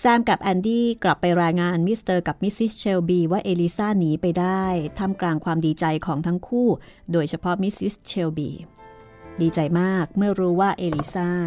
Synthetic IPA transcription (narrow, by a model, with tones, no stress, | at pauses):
saː˥˩mka˨˩p̚ʔɛː˧ndiː˥˩kla˨˩pːa˧jɾaː˧jŋaː˧nmi˦˥st̪ɤː˧ka˨˩p̚mi˦˥si˦˥st͡ɕʰeː˧wbiː˧waː˥˩ʔeː˧li˦˥saː˥˩niː˨˦pa˧jdaː˥˩jt̪ʰa˧˥˩mklaː˧ŋkʰwaː˧mdiː˧t͡ɕa˧jkʰɔː˩˦ŋt̪ʰa˦˥ŋkʰuː˥˩ | doː˧jt͡ɕʰa˧pʰɔ˦˥mi˦˥si˦˥st͡ɕʰe˧wbḭː˧ | diː˧t͡ɕa˧jmaː˥˩k̚mɯ˥˩ɐɾuː˦˥waː˥˩ʔeː˧li˧˥saː˥˩